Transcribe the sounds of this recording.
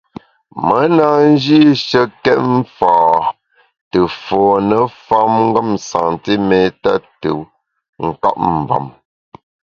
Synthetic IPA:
mə˨˦na˦˨n̩˦d͡ʒi˦ʃə˦kɛ˦t̚m̩˦faː˨ | tə˨fɔː˨nə˨fa˦mŋ̩˦ɡə˦˨msa̰˨ŋti˦mɛ˨ta˦tə˨ | ŋ̩˨ka̰˦p̚m̩˨ba̰˨m

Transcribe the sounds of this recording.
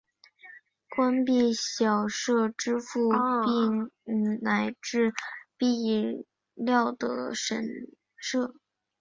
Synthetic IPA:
kwa˥npi˥˩ɕjɑ˨˩ʊʂɤ˥˩ʈ͡ʂɻ̩˥fu˥˧pi˥˩ŋ̩˩na˧˥ɪʈ͡ʂɻ̩˥˧pi˥˧ | ljɑ˥˩ʊd̪ə̰˩ʂə˧˩n | ʂɤ˥˩

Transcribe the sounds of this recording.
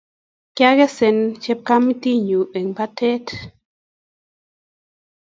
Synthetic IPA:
kja˦ɣɛ˦sɛ˨nt͡ʃɛ˦p̚ka˦mi˦t̪i˦ɲu˨e˨ŋpa˦tʰɛ˦t

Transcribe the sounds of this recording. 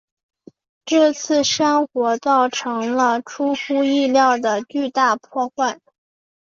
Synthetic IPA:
ʈ͡ʂɤ˥˧t͡sʰɹ̩˥˩ʂa˥ŋxwɔ˧˥t͡sɑ˥˩ʊʈ͡ʂʰɤ˧˥ŋlə˧ʈ͡ʂʰu˥xu˥i˥˧ljɑ˥˩ʊd̪ə˩t͡ɕy˥˧t̪a˥˧pʰwɔ˥˧xwa˥˩n

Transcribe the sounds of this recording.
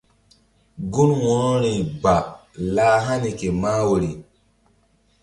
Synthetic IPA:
ɡu˦nwɔ̃˨ɾɔ˦ɾĩ˨ba˨laː˦ɦa˦ni˨ke˨maː˦wo˨ɾi˨

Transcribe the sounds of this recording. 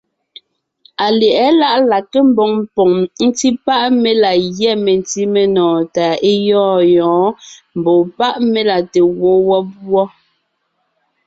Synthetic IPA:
a˨lɛ˨ʔɛ˨˦la˦ʔla˨ke˦m̩˦bɔ˨ŋmpɔ˨ŋn̩˦ti˦pa˦ʔme˦la˨ɣjɛ˦˨me˨n˨ti˦me˨nɔː˨ta˨e˦jɔː˦jɔ̃ː˨˦m̩˨bo˨pa˦ʔme˦la˨te˨wo˨˦wɔ˦bwɔ˦

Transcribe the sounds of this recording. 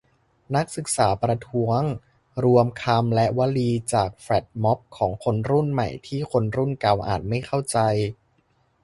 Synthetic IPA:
na˦˥k̚sɯ˨˩k̚saː˩˦pɾa˧t̪ʰu˦˥əŋ | ɾu˧əmkʰa˧mlɛ˦˥ʔwa˦˥liː˧t͡ɕaː˨˩k̚fɾɛ˨˩t̪̚mɔ˦˥p̚kʰːɔː˩˦ŋkʰo˧nɾu˥˩nma̰˨˩jt̪ʰiː˥˩kʰo˧nɾu˥˩nka˧wʔa̰ː˨˩t̪̚ma˥˩jxʰa˥˩wt͡ɕa˧j

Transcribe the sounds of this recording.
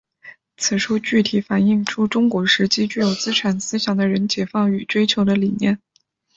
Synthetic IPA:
t͡sʰɹ̩˨˩ʈ͡ʂʰu˥t͡ɕy˥˩t̪ʰi˨˩fa˨˩ni˥˩ŋʈ͡ʂʰu˥ʈ͡ʂʊ˥ŋkwɔ˧˥ʂɻ̩˧˥t͡ɕi˥t͡ɕy˥˩jo˨˩ʊt͡sɹ̩˥ʈ͡ʂʰa˨˩nsɹ̩˥ɕjɑ˨˩ŋd̪ə˦ɻə˧˥nt͡ɕjɛ˨˩fɑ˥˩ŋy˨˩ʈ͡ʂwe˥ɪt͡ɕʰjo˧˥ʊd̪ə˧li˨˩njɛ˥˩n

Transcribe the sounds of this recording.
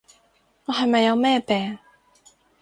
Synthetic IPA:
ŋɔː˨˧ɦɐ˨jmɐ˨jːɐ˨˧wmɛː˥˩pɛː˨˩ŋ

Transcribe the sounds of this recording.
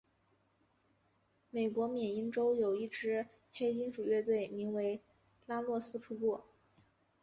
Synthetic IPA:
me˨˩ɪkwɔ˧˥mjɛ˨˩ni˥nʈ͡ʂo˥ʊjo˨˩ʊi˥˩ʈ͡ʂɻ̩˥ | xe˥ɪt͡ɕi˥nʂu˨˩ɥɛ˥˧t̪̬we˥˩ɪmi˧˥ŋwe˧˥ɪ | la˥lwɔ˥˩sɹ̩˥ʈ͡ʂʰu˥pwɔ˥˩

